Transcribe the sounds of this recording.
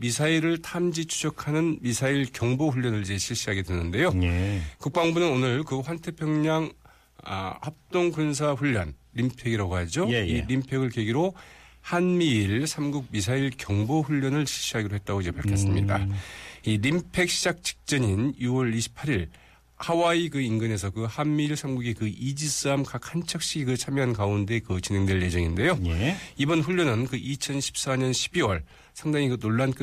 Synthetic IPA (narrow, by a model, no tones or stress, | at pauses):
misʰaiɾɯɭtʰamd͡ʑit͡ɕʰu̥d͡ʑʰʌkʰanɯnmisʰaiɭkjʌŋboɸuʎːʌnɯɭid͡ʑe̞ɕʰiɭɕ͈iɦaɡe̞dwe̞nːɯnde̞jokuk̚p͈aŋbunɯnonɯɭkɯɸwantʰe̞pʰjʌŋɲaŋ̰ | hap̚t͈oŋkuns̬ʰaɸuʎːʌn | ɾimpʰe̞ɡiɾaɡoɦad͡ʑoiɾimpʰe̞ɡɯɭkeɡiɾohanmiːɭsʰamɡuk̚misʰaiɭkjʌŋboɸuʎːʌnɯɭɕʰiɭɕ͈iɦaɡiɾoɦet̚t͈aɡoid͡ʑe̞paɭkʰjʌs̬͈ɯmɲḭda̰iɾimpʰe̞k̚ɕ͈ʰid͡ʑak̚t͡ɕi̥k̚t͡ɕ͈ʌɲinjuwʌɭiɕʰi̥pʰːaɾiɭ | hawaikɯinɡɯne̞sʰʌkɯhanmiːɭsʰamɡuɡekɯʔid͡ʑis͈ɯamkak̚hant͡ɕʰʌk̚ɕ͈iɡiɡɯɭt͡ɕʰamjoɦankaunde̞kɯt͡ɕine̞ŋdwe̞ɭje̞d͡ʑʌŋinde̞jojibʌnɸuʎːʌnɯnkɯʔit͡ɕʰʌnɕʰi̥p̚s͈aɲʌnɕʰi̥biwʌɭ | sʰaŋdaŋikɯnoɭːank͈ɯ